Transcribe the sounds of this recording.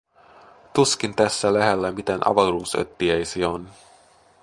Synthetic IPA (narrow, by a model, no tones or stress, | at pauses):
t̪uskint̪æsːælæɦelːæmit̪enʔɑ̰ʋɑruːsø̰t̪ːiejsion